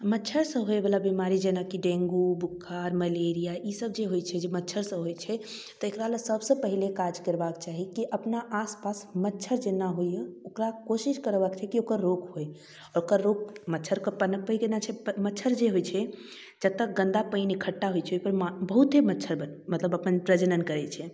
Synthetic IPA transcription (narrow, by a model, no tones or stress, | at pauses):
mətːt͡ʃʰəɾsə̃ɦoebəlabimaɾid͡ʒenakiɖẽŋɡubukʰːaɾməleɾijaʔisəbd͡ʒeɦojt͡ʃʰɛd͡ʒemətːt͡ʃʰəɾsə̃ɦojt͡ʃʰɛ | t̪ɔekɾalesəbsə̃pəɦilekad͡ʒkəɾbakt͡ʃaɦikiʔəpnaʔaspasmətːt͡ʃʰəɾd͡ʒenaɦojəokɾakosiskəɾbakt͡ʃʰɛkiokəɾːokɦoj | ɔɾokəɾːokmətːt͡ʃʰəɾkəpənək̚pəiɡenat͡ʃʰɛmətːʃʰəɾd͡ʒeɦojt͡ʃʰɛ | d͡ʒət̪ːək̚ɡə̃nd̪apəjnikʰəʈːaɦojt͡ʃʰɛpəɾabəɦut̪ɦemətːʃʰəɾbənmət̪ləbəpənpɾəd͡ʒənənkəɾɛt͡ʃʰɛ